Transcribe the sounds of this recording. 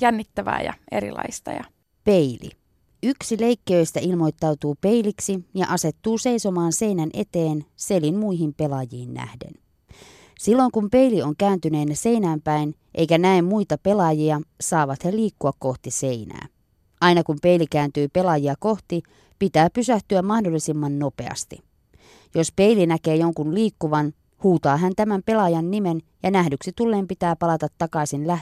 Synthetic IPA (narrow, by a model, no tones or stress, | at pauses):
jænːit̪ːæʋæ̰ːjɑ̰ḛɾḭlɑ̰ist̪ɑ̰jɑ | pe̞ilḭ | yksile̞ikːiø̞ist̪æilmo̞jt̪ːɑwt̪uːpe̞iliksijɑʔɑse̞t̪ːuːse̞iso̞mɑːnse̞inænʔe̞̰t̪e̞ːnse̞limmuiɦimpe̞lɑjiːnːæ̰hde̞̰n | silːo̞jŋkumpe̞ilio̞ŋkæːnt̪yne̞ːnæse̞ijnæːmpæinʔḛjkænæemːuit̪ɑpe̞lɑjiɑsɑːʋɑt̪heliːkːuɑkko̞ht̪iseinæ̰ː | ʔɑinɑkumpe̞ilikæːnt̪yːpe̞lɑjiɑko̞ht̪i | pit̪æːpysæht̪yæmmɑhdolːisimːɑnnope̞̰ɑ̰st̪i | jospe̞ilinæke̞ːjoŋkunliːkːuʋɑn | huːt̪ɑːɦænt̪æmæmpe̞lɑjɑnːimenjɑnæhdyksit̪ulːe̞ːmpit̪æːpɑlɑt̪ɑt̪ːɑkɑisinlæ